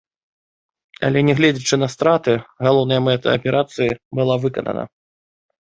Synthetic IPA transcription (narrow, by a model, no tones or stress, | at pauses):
ɐ̰lʲɛnʲɛɣlʲɛd͡zʲit͡ʂɨnɐst̪ɾat̪ɨɣalˠɔwnɐjɐmɛt̪ɐ̰ːpʲɛɾʔat̪sɨjibɨlˠavɨkɐnɐ̰nɐ̰